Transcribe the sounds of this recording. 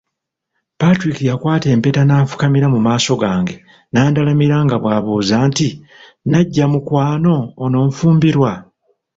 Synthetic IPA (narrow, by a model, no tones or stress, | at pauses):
patɾikijakwaːte̞ːmpe̞ːtanaːfu̥kamiɾamumaːso̞ɡaːŋɡe̞ | naːndalamiɾaŋɡaβwaːβoːzaːnti | naɟːamukwaːno̞ːno̞ːɱfuːmbiɾwa